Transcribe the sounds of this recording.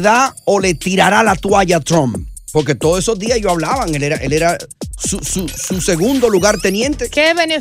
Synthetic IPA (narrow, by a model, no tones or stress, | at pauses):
ðaole̞t̪iɾaɾalat̪waʝat̪ɾõmpo̞ɾke̞t̪oðoeso̞zðiasʝoaβlaβaŋe̞le̞ɾaʔe̞̰leɾasusususe̞ɣund̪o̞luɣaɾt̪e̞njẽ̞nt̪e̞keβene